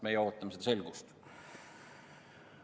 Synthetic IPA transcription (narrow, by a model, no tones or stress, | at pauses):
mejeo̞ːt̪ːˑɑmsed̪ɑse̞lɡust̪